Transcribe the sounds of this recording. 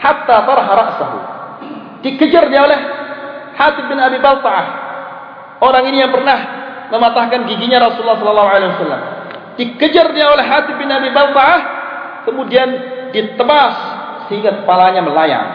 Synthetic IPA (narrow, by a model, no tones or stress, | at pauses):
hat̪ːat̪ɑɾˤɑɦaɾɑʔsaɦṵ | d̥ikəd͡ʒərdiaolɛhhat̪ɪf̚bɪnabibalt̪ɑʕah | oɾaŋinijaŋpərnah | məmat̪ahkanɡiɡiɲaɾɔsuulːahsɔləlːaɦuʕalewasalːa̰m | d̥ikəd͡ʒərdiaolɛhɦat̪ɪf̚bɪnabibalt̪ɑʕahkəmudiandit̪əbasː | əhiŋɡakəpalaɲaməlaja̰ŋ